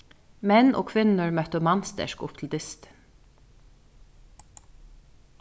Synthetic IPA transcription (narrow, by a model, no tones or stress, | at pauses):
mɛnʔo̰ːkʰʋɪnəɹmœt̪əmɑnst̪ə̰ʃkʊp̚t̪ʰl̩d̪ɪst̪